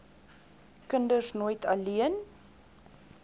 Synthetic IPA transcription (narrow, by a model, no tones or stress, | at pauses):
kəndərsnoːjtʰɐliən